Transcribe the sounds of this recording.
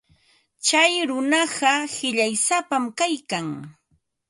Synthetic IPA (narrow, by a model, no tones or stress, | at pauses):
t͡ʃajɾʊnɑɢɑhɪʎajsapamkajkaŋ